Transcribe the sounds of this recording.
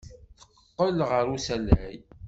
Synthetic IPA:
θə̥qːqːəlʁəɾusælæj

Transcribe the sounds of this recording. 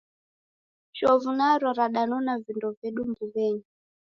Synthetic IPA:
ʃɔvunaɾwaɾaɗanɔnavindɔvɛɗumbuβɛːɲu

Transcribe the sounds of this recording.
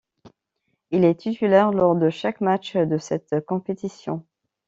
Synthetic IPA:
ilɛt̪it̪ylɛʁlɔʁd̪əʃakmat͡ʃd̪əsɛt̪kɔ̃pet̪isjɔ̃

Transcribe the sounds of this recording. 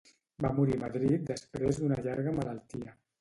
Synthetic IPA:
bamuɾiməðɾit̪̚d̪əspɾezd̪unəʎaɾɣəmələlˠt̪iə

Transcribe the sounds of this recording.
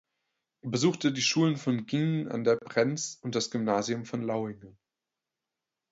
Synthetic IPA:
ʔeɐbəzuːxtədiːʃuːlənfɔnɡiŋa̰ndeːɐpʁ̥ɛnt͡sʊnt̚d̥asɡ̥ʏmnaːziʊmfɔnlaʊɪŋən

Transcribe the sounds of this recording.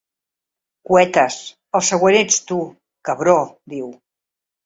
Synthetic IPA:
kuɛt̪əs | əlˠsəɣwənet͡st̪u | kəβɾod̪iw

